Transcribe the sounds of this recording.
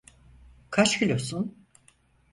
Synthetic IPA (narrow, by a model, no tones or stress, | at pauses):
kʰat͡ʃkilʲosun